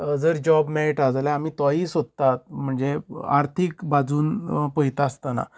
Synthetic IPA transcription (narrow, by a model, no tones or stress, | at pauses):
d͡zəɾd͡ʑɔbmɛeʈad͡zljaamiːt̪aɦiːsod̪̚t̪at̪̚m̤əɳd͡zea̰ɾt̪ʰikbad͡zuːnpəjt̪ast̪ana̰